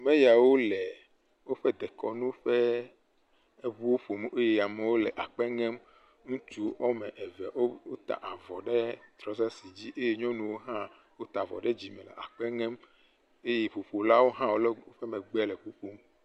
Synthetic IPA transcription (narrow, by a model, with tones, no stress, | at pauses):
mɛ̃˦ja˨wo˦lɛ˨ | wo˦ɸɛ˦d̪ɛ˨kɔ˨nũ˦ɸɛ˦ | e˦βu˦wo˦ɸo˨me˦je˦ja˨mɛ˨wo˦lɛ˨ʔa˨k͡pɛ˦ŋɛ̃˦m | ŋũ˦t͡ʃu˦ɔ˦mɛ̃˨ʔɛ˨vɛ˨wo˦o˦t̪a̰˨ʔa˨vɔ˨ɖɛ˦t̪ɾɔ˨za˦si˨d͡ʑi˦ʔe˦je˦ɲɔ̃˦nũ˨wo˦ɦã˦ | wo˦t̪a˨vɔ̰˨ɖɛ˦d͡ʑi˨mɛ̃˨lɛ̰˨a̰˨k͡pɛ˦ŋɛ̃˦m | e˦je˦ɸo˨ɸo˨la˦wo˦ɦã˦wo˦lo˦ɸɛ˦mɛ̃˨ɡ͡bɛ˦lɛ˨ɸu˦ɸo˦m